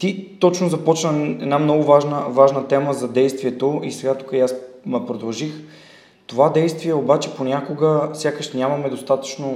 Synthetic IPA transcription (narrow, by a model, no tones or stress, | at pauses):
t̪it̪ɔt͡ʃnozɐpɔt͡ʃnəɛd̪namnɔɡʊvaʒnəvaʒnət̪ɛməzɐd̪ɛjst̪viɛt̪oisɛɡat̪u̥kəjasmɐpɾod̪ɐlˠʒix | t̪ovad̪ɛjst̪viɛobat͡ʃɛponʲakoɡəfsʲjakəʃnʲamɐmɛd̪ost̪at̪ə̥t͡ʃno